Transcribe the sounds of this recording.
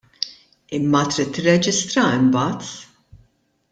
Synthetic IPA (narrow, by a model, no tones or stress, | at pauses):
ɪmːɐt̪ɾiːt̪ːɪrːɛd͡ʒɪst̪ɾɐɪmbɐːt̪